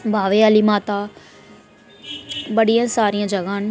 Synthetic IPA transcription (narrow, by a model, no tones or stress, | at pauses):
bʱaːʋeaːlimaːt̪a | ɓɐɽijãsaːɾijãd͡ʒɐɡaːn